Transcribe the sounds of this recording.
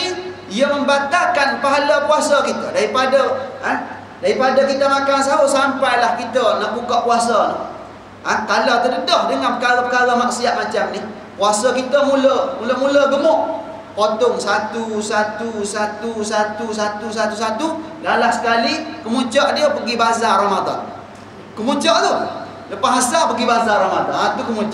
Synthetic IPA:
i | ijəməmbat̪akanpaɦalapuasakit̪ədaɾipadəa | daɾipadəkit̪əmakans̬aɦoʔsampajlahkit̪ənaʔbukaʔpuasa | at̪alawt̪ədədɔhdəŋapəkaɾapəkaɾəmaŋsiat̪̚mat͡ʃamnih | puasakit̪əmuləmuləmuləɡəmʊʔ | pot̪ɔŋsat̪usat̪usat̪usat̪usat̪us̬at̪us̬at̪ulalahsə̥kalikəmut͡ʃaʔdiəpəɡibazaramad̪a̰n | kəmut͡ʃaʔt̪u | ləpaɦasapəɡibazaɾamadanat̪ukəmut͡ʃ

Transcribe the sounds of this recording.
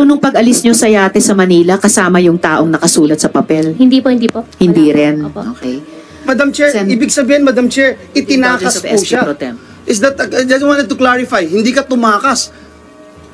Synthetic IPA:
onʊŋpɐɡɐlɪsɲosɐjaːt̪ɛsɐmɐniːlɐkɐsaːmɐjʊŋt̪aːʔoŋnɐkɐsuːlɐt̪̚sɐpɐpɛlhɪnd̪iːpohɪ̃nd̪iːpohɪnd̪iːɾɛnʔoːkɛj | mɐd̪amt͡ʃɛɹsiːbɪɡ̚sɐbiːhɪnmɐd̪amt͡ʃɛɹʔɪt̪ɪnaːkɐspuʃapɾot̪ɛm | ʔɪsd̪ɐt̪̚ɐnaɡ̪wãnɛd̪̚t̪ʊklaɹɪfajhɪnd̪iːkɐt̪ʊmaːkɐs

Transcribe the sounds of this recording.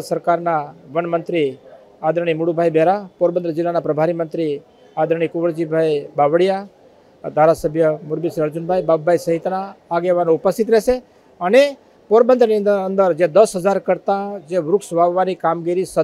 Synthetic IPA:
səɾkaɾnaʋənmənt̪ɾi | ad̪ɾəɳ̃imuɽubʱajbʱeɾapoɾbənd̪ɾəd͡ʒɪlːanapɾəbʱaɾimənt̪ɾi | ad̪ɾəɳ̃ikʊʋəɾd͡ʒibʱajbaʋəɽija | d̪ʱaɾasəbʱjəmuɾbisɾiəɾd͡ʒʊnbʱajbabːaisəɦɪt̪naːɡeʋanõʊpəst̪ʰɪt̪ɾɛɦʃe | əne | poɾbə̃nd̪ɾəniənd̪əɾd͡ʒed̪əsɦəd͡ʒaɾkəɾt̪ãd͡ʒeʋɾʊksʋaʋːanikamɡiɾisə

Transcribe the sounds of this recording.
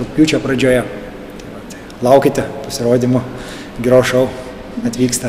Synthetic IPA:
okpʲuːt͡ʃʲɛpɾɐd͡ʒʲoːjɛ | t̪ɐɪʋɐt̪ɐɪ | lˠɐˑʊkʲɪt̪ʲɛpɐsʲɪɾoːd̪ʲɪmʊ | ɡʲɪɾoːʃɐʊ | ɐt̪ʲʋʲiːkst̪ɐ

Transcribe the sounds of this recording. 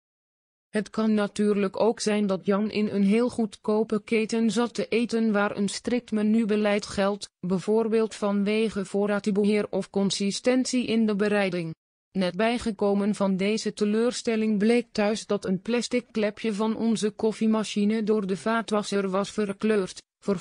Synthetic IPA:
ɦətkɑnːatyːrləkowksɛjndɑtjɑnʔɪnənɦeːlˠχutkowpəkejtənzɑtəʔejtənʋaːrə̰nstrɪk̚tmanybəlɛjtχɛlˠtbɛvoːrbeːlˠtfɑnʋejχəv̥ʊːrdatəbəɦɪːrɔfkɔnsɪstɛntsiʔɪndəbəɾɛjdɪŋ | nɛt̚bɛjχəkowmənvɑndejzətəløːrstɛlɪŋblejk̚tœɥzdɑtənplɛstɪkːlɛpjəvɑnʔɔ̰nzəkɔfimaʃinədʊːrdəvaːtʋɑsərʋɑsfərkløːrt | fə

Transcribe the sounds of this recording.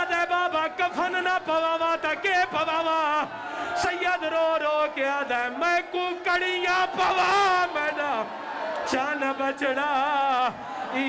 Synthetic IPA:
d̪aːbaːbaːkəpʰənnapɐʋaːʋãːt̪ãkepəʋaːʋaː | səjaːd̪əɾoːɾoːkeaːd̪aːmɛ̃kũːkəɽijãːpəʋaːmɛ̃ːnaː | t͡ʃaːnabət͡ʃəɽaː

